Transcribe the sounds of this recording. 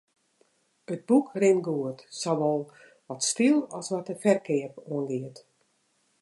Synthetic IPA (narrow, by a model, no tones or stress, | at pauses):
əd̚bukrɪnɡuətsɔʋɔlˠ | ʋɔtstilˠɔsʋɔtəfɛrkʰɪəpoənɡɪət